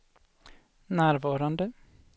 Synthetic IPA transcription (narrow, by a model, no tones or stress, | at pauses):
næːɾʋɑːɾɑnd̪ə